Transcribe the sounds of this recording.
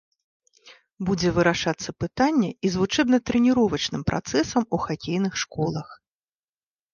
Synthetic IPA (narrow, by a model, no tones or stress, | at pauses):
bud͡zʲɛvɨɾaʂat̪sːɐpɨt̪anʲːɛizvut͡ʂɛbnɐt̪ɾɨnʲiɾɔvɐt͡ʂnɨmpɾʔa̰t̪sɛsɐmuxakʲejn̪ɨxʂkɔlˠɐx